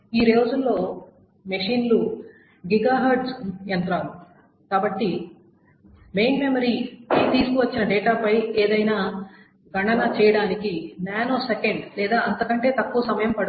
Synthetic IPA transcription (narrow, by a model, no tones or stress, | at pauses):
iːɾoːd͡ʒullo̞ː | meʂiːnlu | ɡiɡaːɦɐɾʈsent̪ɾaːm | kaːbɐʈːi | me̞jnme̞mɐɾiːkit̪iːsukuʋɐt͡ʃːinɐɖeːʈaːpɐjeːd̪ɐjnaː | ɡɐɳɐnɐt͡ʃɛːjɐɽaːnikinaːnoːsekeɳɖlɛːd̪aːɐnt̪ɐkɐɳʈe̞ːt̪ɐkːuʋɐsɐmɐjɐmpɐɽ